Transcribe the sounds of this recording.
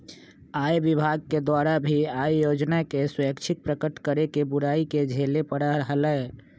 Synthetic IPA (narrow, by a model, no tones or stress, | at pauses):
ajbibʱaɡ̚ked̪waɾabʱiajjoːd͡ʒnakeswəkt͡ʃʰɪk̚pɾəkəʈkəɾekebʊɾaːiked͡ʒʱelepəɽaəɦələe